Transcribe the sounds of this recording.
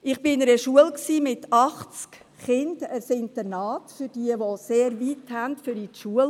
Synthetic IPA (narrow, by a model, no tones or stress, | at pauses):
ɪχb̥ɪɪnəɾəʃuəlksiːmɪtɑχt͡sk | χɪndæɾsɪntənɑːtfyɾd̥iəʋoseːɾʋithæntfʏɾitʃuəl